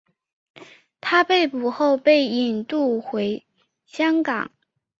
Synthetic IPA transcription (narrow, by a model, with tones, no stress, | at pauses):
t̪ʰa˥pe˥˩ɪpu˨˩xo˥˧ʊpe˥˩ɪi˨˩nt̪u˥˩xwe˧˥ɪ | ɕjɑ˥ŋkɑ̰˨˩˦ŋ